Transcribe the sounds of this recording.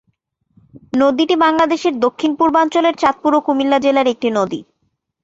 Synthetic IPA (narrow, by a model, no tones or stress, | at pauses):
nod̪iʈibaŋlad̪eʃeɾd̪okʰːinpuɾbant͡ɕoleɾt͡ɕat̪̚puɾokumilːad͡ʑelaɾek̚ʈinod̪i